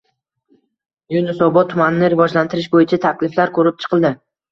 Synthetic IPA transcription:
junɪsɒbɒt̪ʰːʊmanɪnɪɾɪvɒd͡ʒlant̪ʰɪɾɪʃbojɪt͡ʃʰat̪ʰakʲlɪflaɾkʰɵɾɪp̚t͡ʃʰɨ̥qʰɨlˠd̪ɪ

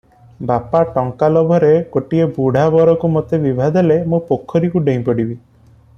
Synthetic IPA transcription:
bapaʈɔŋkalɔbʱɔɾekoʈiebuɽ̤ʱabɔɾɔkumɔt̪ebibʱad̪ʱelemũpokʰːɔɾikuɖeĩpɔɽibi

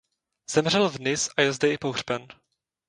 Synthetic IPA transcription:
z̥ɛmr̝ɛlvnɪsajɛlzdɛɪpoɣr̥bɛn

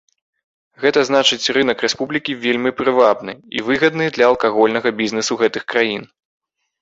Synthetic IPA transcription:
ɣɛt̪ɐznat͡ʂɨt͡sʲrɨnɐkɾɛspublʲikʲivʲelʲmʲipɾɨvabnɨḭvɨɣɐd̪nɨd̪lʲɐɐlˠkaɣɔlʲnɐɣɐbʲiznɛsuɣɛt̪ɨxkɾajin

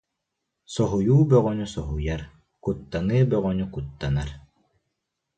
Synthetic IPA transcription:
sɔɦujuːbœʁœnysɔɦujaɾ | kut̪ːanɯːbœʁœnykut̪ːanaɾ

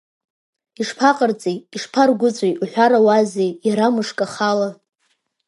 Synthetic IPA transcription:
iʂpʰaqʼərt͡sʼejiʂpʰarɡʷʊt͡sʷʼejuħʷᶣaɾawazejjaɾamɨʂkʼaχala

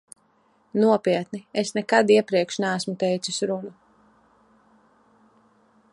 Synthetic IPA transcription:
nuɔpiɛt̪niesnɛkad̪iɛpɾiɛkʃnæːsmut̪ɛjt̪susʲɾunu

